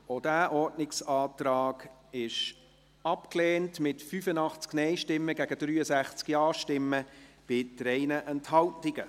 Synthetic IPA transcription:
od̥æːʔɔrdnɪksɑːtrɑːɡ̥ | ɪʃ | ɑpkleːntmɪtfyfənɑχt͡sknɛɪʃtɪmːəɡæɡədɾyːəsæχt͡skiɑːʃtɪmːə | b̥ɪtɾɛɪnəʔɛnthɑltɪɡə

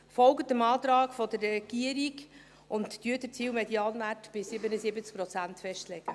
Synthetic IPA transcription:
fɔlɡətəmɑːt̪ɾɑːkfɔd̪ərːɛɡ̥iəɾik | ʊntdyːədət͡siːwmɛdiɑːnʋærtb̥ɪsɪbənəzɪbət͡sk̚pɾɔt͡sænt̪fɛʃtlɛɡ̥ə

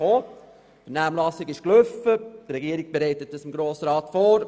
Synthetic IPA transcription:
oː | fɛɾnæːmlɑsɪɡɪʃkløfət̪ɾɛɡiəɾiɡ̥̚b̥eɾɛɪtət̚dɑsɪmɡɾoːsɾɑːt̪foːɾ

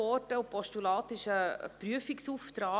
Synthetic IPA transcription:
ɔtəʊpɔʃtulɑːtɪʃə̰pɾyəfiksuːftɾɑː

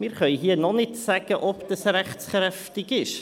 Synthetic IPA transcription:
mɪɾχœjɦiənɔnɪtsɛɡ̥əʔɔpd̥əsɾɛχsχrɾɛftɪɡɪʃ

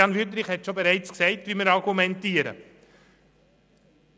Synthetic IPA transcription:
ɑnʋytɾɪχhɛtʃobɛɾæɪt͡sksɛɪtʋiːməɾɑɾɡumɛntiːəɾə̰

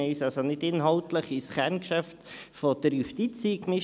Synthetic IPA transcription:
ɛɪsɑlsonɪdɪnɦɑltləχɪsχɛɾnkʃæftfod̥əɾjuʃtit͡siːkmɪ

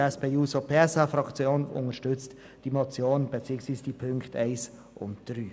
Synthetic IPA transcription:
ɛspeːuːsopʰeːɛsafɾɑkt͡sjoːnʊ̰nəʃtʏt͡st | d̥imot͡sjoːnb̥et͡siːəksviːsd̥ipʰʏŋktɛɪs | ʔʊ̰ntd̥ɾyː

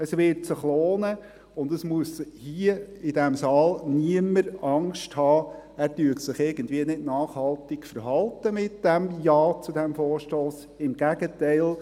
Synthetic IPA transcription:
əsʋɪɾtsɪχloːnə | ʊndəsmuəshiəɪdæmsɑːlniəməɾɑŋʃthɑːæːɾtyətsɪχɪɾɡ̥əndviənɪdnɑːχhɑlt̪ɪkfəɾɦɑlˠtəmɪt̚d̥æmjɑːt͡sudæmfɔːɾʃtoːs | ɪmɡ̥æɡətæɪl

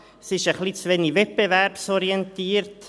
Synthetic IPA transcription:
sɪʃəχlit͡sʋɛnivɛt̚b̥evæɾpsɔɾiɛntiːəɾt

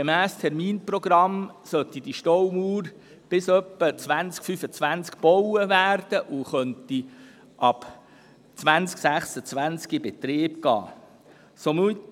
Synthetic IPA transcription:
ɡemæːstʰɛɾmiːnproɡ̥ɾɑmsœt̪idiʃtɔwmuːɾ | b̥ɪsœpːət͡svænt͡skfyfət͡sʋænt͡skb̥ɔwəvæːrd̥əʔuχœnt̪i | ʔɑb | t͡sʋænt͡sksæχsət͡sʋænt͡skibɛt̪ɾɪːbɡ̥ɑ̰ː | somy

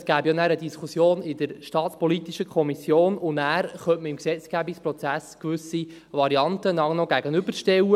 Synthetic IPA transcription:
sɡ̥æːbjɑnæːɾədiskʰusjoːnɪd̥əɾʃtɑːtspɔlit̪iʃəkʰɔmisjoːnʊnæːɾχœntməɪmksɛt͡sɡ̥æbikspɾɔt͡sæskʋʏsi | vɑɾiɑntənɑnɔɡæɡənʏbəɾʃtɛwə

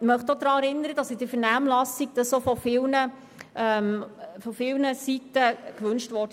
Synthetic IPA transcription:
mœχd̥̪od̥̪ɾɑːɛɾɪnːəɾəd̥ɑsɪd̥əfɛnæːmlɑsiɡ̚d̥əsofɔfɪlnə | ɛmfɔfɪlnəsitəkʋɵnʃtʋɔɾd

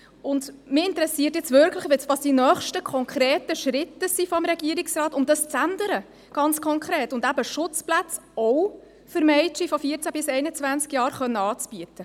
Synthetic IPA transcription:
ʊndmɪɪntəɾɛsiətjɛt͡svʏɾkʰləχʋɛsʋɑːsd̥inœːχʃtəkʰɔŋkʰɾeːtəʃɾɪtːəsifɔmɾɛɡ̥iəɾɪksrɑːtʊmdɑst͡sændəɾə | ɡ̥ɑnt͡skʰɔŋkʰɾeːtʊndæbəʃʊt͡splæt͡sɔw | fɵɾmɛɪt͡ʃifɔfiːəɾt͡sæb̥ɪsɛɪnət͡svænt͡skjɑːɾχœnːəɑːt͡sb̥yətə

